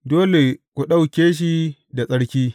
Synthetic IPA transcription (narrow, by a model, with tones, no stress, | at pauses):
doː˦le˨kʷu˨ɗa˦wkʲeː˦ʃ̬i˦da˨sʼɐ˦ɽkʲiː˦